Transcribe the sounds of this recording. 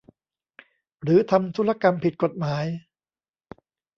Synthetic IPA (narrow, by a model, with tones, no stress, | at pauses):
ɾɯː˨˦t̪ʰa˧mt̪ʰu˦˥la˧ka˧mpʰi˨˩t̪̚ko˨˩t̪̚maː˩˦j